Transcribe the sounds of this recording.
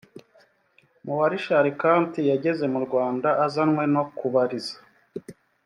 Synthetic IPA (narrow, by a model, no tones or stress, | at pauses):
muwaɾiʃaɾikaːntijaɟe̞ze̞muɾɡwaːndaʔːzanŋwe̞no̞kuβaɾizḁ